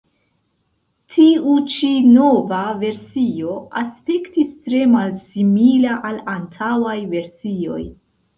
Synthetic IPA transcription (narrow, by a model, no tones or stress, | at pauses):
tʰiut͡ʃino̞vave̞ɾsio̞aspektistɾe̞malsimilaʔalantʰawajve̞ɾsio̞̰j